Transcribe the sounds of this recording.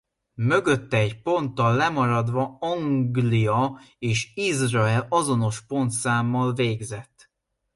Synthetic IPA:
mø̞ɡø̞t̪ːɛːcpo̞nt̪ːɒlːɛmɒɾɒd̪ʋɒɒŋɡlijɒeːʃizrɒɛlɒzo̞no̞ʃpo̞nt̪saːmːɒlveːɡzɛt̪ː

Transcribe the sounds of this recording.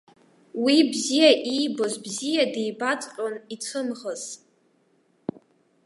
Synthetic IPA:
wibzijaʔijbo̞zbzijadejbat͡sʼqʲʼonit͡sʷʰɨmʁəz̥

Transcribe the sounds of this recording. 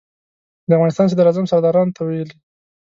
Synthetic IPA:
d̪əavɣɑnɪst̪ɑns̬ad̪aɾazamsaɾd̪ɑɾɑnot̪ʰawajeli

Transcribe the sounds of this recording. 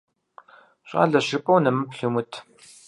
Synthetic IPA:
ɕʼa̰ːɮɐɕɪpʼɐwnɐmɐpɬumutʰ

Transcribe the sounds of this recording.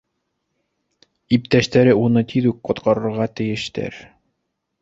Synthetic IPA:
ip̚t̪æʃt̪æɾɘunɤt̪ʰiðʉk̚qŏt̪qɑɾɤ̆ɾʁɑt̪ɘ̆jɘ̆ʃt̪æ̰ɾ

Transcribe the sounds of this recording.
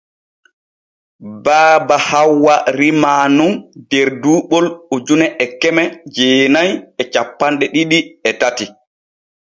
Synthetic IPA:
baːbahawːaɾimaːnumdeɾduːɓɔlud͡ʒunɛʔɛkɛmɛd͡ʒeːnajɛt͡ʃapːanɗɛɗiɗiɛtati

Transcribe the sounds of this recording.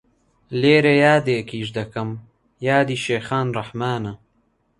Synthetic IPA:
leːɾejaːd̪eːkiːʃd̪ɐkɐm | jaːd̪iːʃeːxaːnrɐħmaːnɐ

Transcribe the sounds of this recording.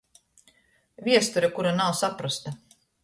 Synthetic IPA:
vʲiɛst̪uɾakuɾanawsapɾust̪a

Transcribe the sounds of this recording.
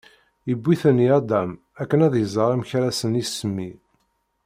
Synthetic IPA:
jəbʷːiθənːiɑd̪æm | ækːənæðjəzˤəɾˤimçɾæsənisəmːi

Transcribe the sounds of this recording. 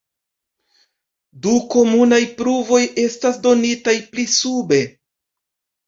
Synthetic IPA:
duko̞munajpɾuvo̞jʔe̞stasdo̞nitajplisube̞

